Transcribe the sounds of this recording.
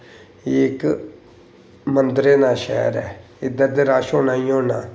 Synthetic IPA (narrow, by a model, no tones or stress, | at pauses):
ɪk | mənd̪ɾeːnaːʃɛ̰ːɾɛ̰ː | ɪd̪əɾd̪eːɾaːʃoːnaːĩːɦoːnaː